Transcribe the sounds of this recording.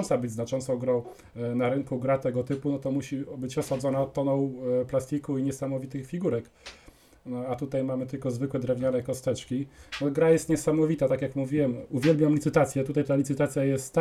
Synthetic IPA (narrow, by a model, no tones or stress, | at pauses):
nsabɘd͡ʑʲznat͡ʂɔnt̪sɔ̃w̃ɡɾɔ̃w̃ | naɾɘŋkuɡɾat̪ɛɡɔt̪ɘpunɔt̪ɔmuɕibɘt͡ɕɔsad̪zɔnatt̪ːɔnɔ̃wplast̪ʲikuiɲɛsamɔvʲit̪ɘxfʲiɡuɾɛk̪ | at̪ut̪ajmamɘt̪ɘlkɔzvɘkwɛd̪ɾɛvɲanɛkɔst̪ɛt͡ʂkʲinɔɡɾajɛst̪ɲɛsamɔvʲit̪at̪akʲjakmuvʲiwɛmuvʲjɛlbʲjamlit̪sɘt̪at̪sʲjɛt̪ut̪ajt̪alʲit̪sɘt̪at̪sʲjajɛst̪